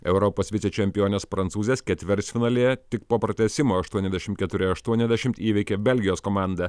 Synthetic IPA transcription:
ɛʊɾɔpoːsʋʲɪt̪sʲet͡ʃʲɛmʲpʲɪjoːnʲeːspɾɐnt̪suːzʲeːskʲɛt̪ʲʋʲɪɾʲsʲfʲɪnɐːlʲeːt̪ʲɪkpoːpɾɐt̪ʲɛsʲɪmoːɐʃt̪uɔnʲɛzd̪ʲɛʃʲɪmt̪̚ʲkʲɛt̪ʊɾʲɪɐʃt̪uɔnʲɛzd̪ʲæʃʲɪmt̪iːʋʲɪkʲeːbʲɛlʲɡʲɪjoːskoːmɑˑnd̪ɐ

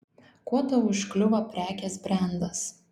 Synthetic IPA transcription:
kuɔt̪oʊʃʲklʲʊʋɐpʲɾʲæːkʲɛsbʲɾʲɛˑnd̪ɐs

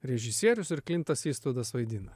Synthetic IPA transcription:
ɾʲɛʒʲɪsʲiɛɾʲʊsɪɾklʲɪnt̪ɐsiːst̪oːd̪ɐsʋɐɪd̪ʲɪnɐ

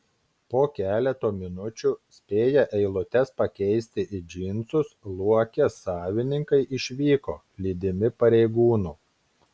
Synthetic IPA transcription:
poːkʲæːlʲɛt̪oːmʲɪnʊt͡ʃʲuːˑsʲpʲeːjɛʔɛɪlˠʊt̪ʲɛspɐkʲɛɪsʲt̪ʲɪʔɪd͡ʒʲɪnˑt̪sʊslˠuɔkʲɛsɑːʋʲɪnʲɪŋkɐɪʔɪʃʲʋʲiːkoː | lʲiːd̪ʲɪmʲɪpɐɾʲɛɪɡuːnuː

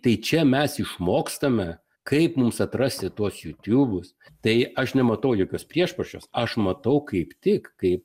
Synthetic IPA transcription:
t̪ɐɪt͡ʃʲɛmʲɛsɪʃmoːkst̪ɐmʲɛ | kɐɪpmʊmsɐt̪rɐsʲt̪ʲɪt̪uɔsjuːt̪ʲuːbʊs | t̪ɐɪɐʃnʲɛmɐt̪ɐʊjoːkʲoːspʲɾʲiɛʃpɐʃʲt͡ʃʲo̰ːsɐʃmɐt̪ɐʊkɐɪpt̪ʲɪkkɐɪp̚

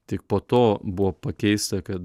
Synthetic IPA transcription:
t̪ʲɪk̚poːt̪oːbʊʋoːpɐkʲɛɪst̪ɐkɐt̪

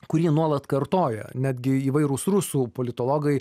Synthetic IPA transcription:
kʊɾʲiːnuɔlˠɐt̪kɐɾt̪oːjɛ̰nʲæːd̪ʲɡʲɪiːʋɐɪɾʊsɾʊsuːpoːlʲɪt̪oːlˠoːɡɐɪ

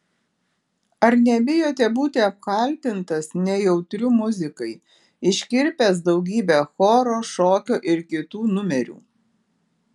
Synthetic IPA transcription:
ɐɾnʲɛbʲɪjoːt̪ʲɛbuːt̪ʲɪɐp̚kɐlʲt̪ʲɪnt̪ɐsnʲɛjɛʊt̪ʲɾʲʊmʊzʲɪkɐɪ | ɪʃʲkʲɪɾʲpʲɛːs̬d̪ɒʊɡʲiːbʲɛxoːɾoːʃoːkʲoːʔɪɾkʲɪt̪uːnʊmʲɛɾʲṵː

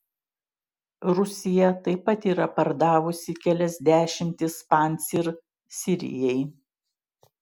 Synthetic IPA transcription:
ɾʊsʲɪjɛt̪ɐɪpɐt̪iːɾɐpɐɾd̪ɑːʋʊsʲɪkʲælʲɛzʲd̪ʲæːʃʲɪmʲt̪ʲɪspɑnʲsʲiɾ | sʲɪɾʲɪ̰jɛɪ

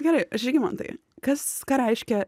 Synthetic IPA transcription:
ɡʲɛɾɐɪɐʃʲɪɡʲɪmɐ̰nt̪ɐ̰ɪ | kɐskɑːɾɛɪʃʲkʲɛ

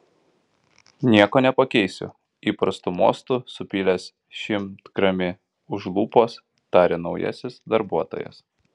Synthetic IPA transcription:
nʲiɛkoːnʲɛpɐkʲɛɪsʲʊ̰ | iːpɾɐst̪umo̰ːst̪usʊpʲiːlʲɛs | ʃʲɪmt̪ɡɾɐmʲɪ | ʊʒlˠuːpoːs | t̪ɑːɾʲenɒʊjɛ̰sʲɪsd̪ɐɾbuɔt̪o̰ːjɛ̰s

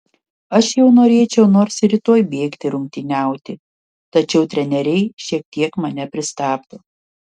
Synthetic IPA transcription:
ɐʃjɛʊnoːɾʲeːt͡ʃʲɛʊnoːɾsɪɾʲɪt̪oːjbʲeːkt̪ʲɪɾʊŋʲk̚ʲt̪ʲɪnʲæˑʊt̪ʲɪ | t̪ɐt͡ʃʲɛʊt̪ʲɾʲɛnʲɛɾʲɛɪʃʲiɛk̚t̪ʲiɛkmɐnʲɛpʲɾʲɪst̪ɑːpt̪oː

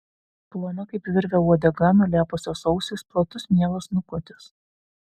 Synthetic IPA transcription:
plˠoːnɐkɐɪpʋʲɪɾʲʋʲɛuɔd̪ʲɛɡɐnʊlʲæːpʊsʲoːsɔʊsʲɪsplˠɐt̪ʊsmʲiɛlˠɐsnʊkɔt̪ʲɪs

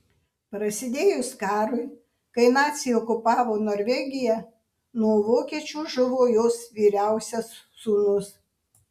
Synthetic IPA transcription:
pɾɐsʲɪd̪ʲeːjʊskɑːɾʊɪ | kɐɪnɑːt̪ʲsʲiɔkʊpɑːʋoːnoːɾʲʋʲɛɡʲɪjɛ | nuɔʋoːkʲiɛt͡ʃʲuːʒʊʋoːjoːsʋʲiːɾʲæˑʊsʲɛssuːnʊs

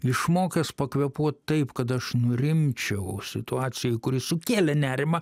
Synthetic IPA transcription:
ɪʃmoːkʲɛspɐkʋʲɛpuɔt̪t̪ɐɪpkɐt̪̬ɐʃnʊɾʲɪmʲt͡ʃʲɛʊsʲɪt̪ʊɑːt̪sʲɪjɛɪkʊɾʲɪsʊkʲeːlʲɛnʲæːɾʲɪmɐ

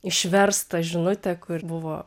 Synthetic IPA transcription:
ɪʃʲʋʲɛrst̪ɐʒʲɪnʊt̪ʲɛkʊrbʊʋoː

